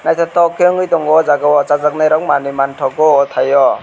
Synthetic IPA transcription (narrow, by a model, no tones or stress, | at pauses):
najt̪ʰatɔkʰeŋɯjtɔŋɔzaɡawɔt͡ʃazak̚najɾɔkmanimantʰɔkɔːt̪ʰajɔ